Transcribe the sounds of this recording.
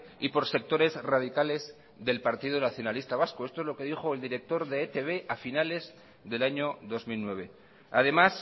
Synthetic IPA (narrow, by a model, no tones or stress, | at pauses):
ipo̞ɾse̞k̚t̪o̞ɾe̞zrað̞ikale̞z | ðe̞lpaɾt̪iðunaθjo̞nalist̪aβaskoe̞st̪oezlo̞ke̞ðixoe̞ld̪iɾe̞k̚t̪o̞ɾðe̞t̪e̞β̞e̞ʔafinale̞z | ðe̞laɲo̞ðo̞zmilnwe̞β̞e̞ | a̰ð̞e̞mas